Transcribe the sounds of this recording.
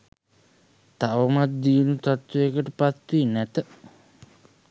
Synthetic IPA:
t̪aʋəmat̪̚d̪iːnut̪at̪wuekəʈəpat̪winæt̪ə

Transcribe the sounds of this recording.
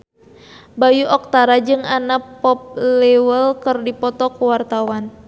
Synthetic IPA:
bajuʔɔk̚t̪aɾad͡ʒɨŋanapɔp̚lɛwəlkɨrdipɔt̪ɔkuwart̪awan

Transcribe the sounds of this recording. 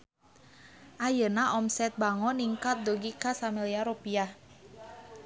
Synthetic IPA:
ʔajənaʔɔmsɛt̪̚baŋɔniŋkat̪̚doɡikasamiliaɾopia

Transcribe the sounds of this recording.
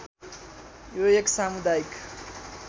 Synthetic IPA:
joeksamud̪ajik

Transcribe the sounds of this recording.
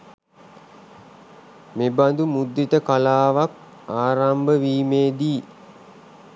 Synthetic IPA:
meband̪umud̪ːit̪əkalaːʋak̚ | aːɾambəʋiːmeːd̪iː

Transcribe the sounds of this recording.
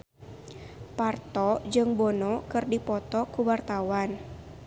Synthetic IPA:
part̪ɔd͡ʒɨŋbɔnɔkɨrdipɔt̪ɔkuwart̪awan

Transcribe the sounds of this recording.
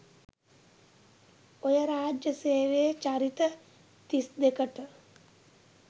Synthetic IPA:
ojəɾaːd͡ʒjəseːʋeːt͡ʃaɾit̪ə | t̪isd̪ekəʈ

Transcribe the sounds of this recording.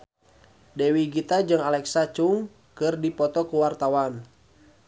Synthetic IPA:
dɛwiɡit̪ad͡ʒɨŋalɛksat͡ʃuŋ | kɨrdipɔt̪ɔkuwart̪awan

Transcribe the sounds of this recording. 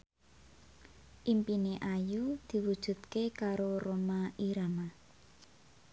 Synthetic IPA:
ʔimpineʔajud̪̥i̤wud̥ʒ̥ṳt̪̚kekaɾoromaʔiɾama

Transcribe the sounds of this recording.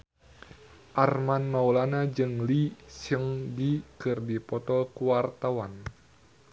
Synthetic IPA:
ʔarmanmaulanad͡ʒɨŋlisəŋɡikɨrdipɔt̪ɔlkuwart̪awan

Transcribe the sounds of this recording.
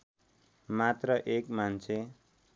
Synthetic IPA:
mat̪rʌʔekmant͡sʰe

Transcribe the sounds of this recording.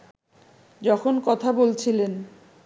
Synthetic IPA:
d͡ʑɔkʰonkɔt̪ʰabolt͡ɕʰilen

